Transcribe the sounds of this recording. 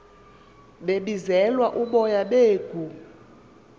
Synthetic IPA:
ɓeɓizɛlwaʔuɓɔjaɓeːɡ̥ʱu

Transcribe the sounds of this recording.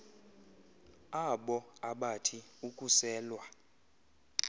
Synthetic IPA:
aɓɔaɓatʰiukʼusɛːlwa

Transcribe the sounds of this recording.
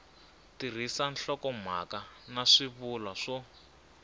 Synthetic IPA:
tir̤isanɬɔkɔm̤a̰kanaʂiβulwaʂɔ

